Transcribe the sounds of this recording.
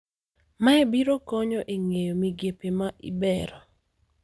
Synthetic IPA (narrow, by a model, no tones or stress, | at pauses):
maebiɾokɔɲɔʔeŋejomiɡjepemaʔḭbɛɾɔ